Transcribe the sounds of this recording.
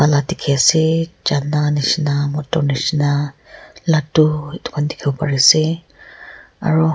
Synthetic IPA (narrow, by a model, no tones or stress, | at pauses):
aladikʰiasɛd͡ʒananisinamɔtɔnisna | latuɛtʰu̥kʰandi̥kʰibɔpa̰ɹisɛ | a̰ɹu